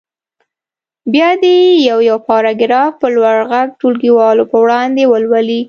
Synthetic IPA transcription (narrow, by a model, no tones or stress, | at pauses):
bjɑd̪ejawjawpɑɾɑɡɪɾɑfpəlwaɽɣaɡ̚ʈulɡiwɑlopəwɽɑnd̪ewəlwəli